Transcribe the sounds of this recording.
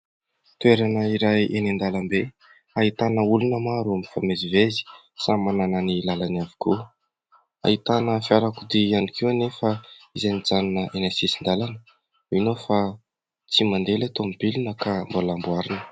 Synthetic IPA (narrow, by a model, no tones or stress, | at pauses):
t̪ueɾanəiɾajʔenend̪alambe | ait̪anəulunəmaɾuamifamezivezi̥ | samanananilalanavi̥ku | a̰it̪anəfiaɾakud̪ianikʰiwanefəizanid͡zanunəʔenesisind̪alanə | inofa | t͡simand̪elat̪omibilunəkambolambuaɾinə̥